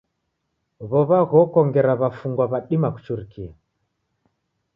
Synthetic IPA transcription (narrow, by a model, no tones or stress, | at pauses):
βɔβaɣɔkɔŋɡɛɾaβafuŋɡwaβaɗimaku̥t͡ʃuɾikia